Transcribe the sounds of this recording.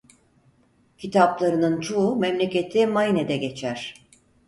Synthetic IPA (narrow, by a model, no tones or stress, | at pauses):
cʰit̪ʰaplˠaɾɯnɯnt͡ʃʰuumemlʲecʲe̞t̪ʰimajined̪ɛɡe̞t͡ʃʰæɾ̥